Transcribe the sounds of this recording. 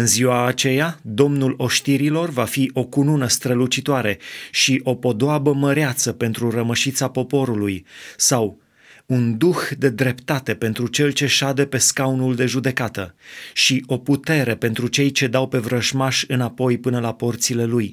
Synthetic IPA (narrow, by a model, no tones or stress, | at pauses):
ɨnziwaːt͡ʃe̞jad̪o̞mnulo̞ʃt̪iɾilo̞rvafiʔo̞kununəst̪ɾəlut͡ʃit̪oaɾe̞ʃiʔo̞po̞d̪oabəməɾeat̪səpe̞nt̪ɾuɾəməʃit̪sapo̞po̞ɾulujsaw | und̪uxd̪e̞d̪ɾe̞pt̪at̪e̞pe̞nt̪ɾut͡ʃe̞lt͡ʃe̞ʃad̪e̞pe̞skawnuld̪e̞ʒud̪e̞kat̪ə̰ʃiʔo̞put̪e̞ɾe̞pe̞nt̪ɾut͡ʃe̞jt͡ʃe̞d̪awpe̞vɾəʒmaʃɨnapo̞jpɨnəlapo̞rt̪sile̞luj